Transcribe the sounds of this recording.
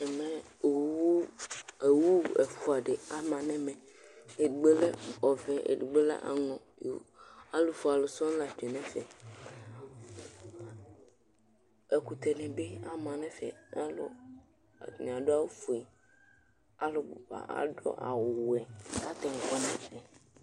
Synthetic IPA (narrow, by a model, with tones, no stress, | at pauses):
ɛ˨mɛ̃˨ | wu˦e˨wu˦e˨fo˨a˨ɖe˨a˨mã˨nɛ̃˦mɛ̃˨ | e˨du˨ɡ͡be˦lɛ˦ɔ˨vɛ̃˦ʔḛ˨ɖu˨ɡ͡be˦la̰˦ʔa̰˨ŋɔ̃˨˦a˦lo˨fo˨a˨lo˨sɔ̃˦la˨d͡ʒe˨nɛ̃˦fɛ˨ | e˨ku˨t̪e˨nɛ̃˨be˦a˦mã˨nɛ̃˦fɛ̰˨a˦lo̰˦˨ | n˨a˨ɖo˦a˦wo˦fo˨ɛ˨ | a˦lo˨bo˨ɸa̰˨ʔa̰˨ɖɔ̰˦ʔa̰˨wwo˨ɛ˨ka˦t̪ɛ˨ŋ̩˨kɔ˦nɛ̃˨fɛ˨